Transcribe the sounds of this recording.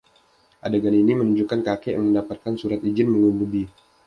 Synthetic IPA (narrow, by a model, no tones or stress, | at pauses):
ʔadaɡaninimənuɲd͡ʒukankakeja̰ŋməndapat̪̚kansuɾat̪id͡ʒɪnməŋumudi